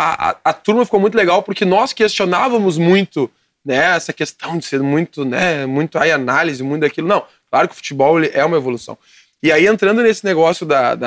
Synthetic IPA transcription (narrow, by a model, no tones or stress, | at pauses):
aʔɐ̰ɐt̪uɾmɐfi̥kowmũj̃t̪leɡawpoɾkɪnɔskest͡ʃonavɐ̃mʊzmũj̃t̪ʊ | nɛɛsɐkest̪ɐ̃w̃d͡ʒɪseɾmũj̃t̪ʊnɛmũj̃t̪ʊajanalizɪmũj̃t̪ʊd̪akilʊnɐ̃w̃ | klaɾʊkɪʊfu̥t͡ʃibɔwelɪʔɛũmɐevolusɐ̰̃w̃ | ɪaiẽnt̪ɾɐ̃nd̪ʊnesɪneɡɔsjʊd̪ɐd̪ɐ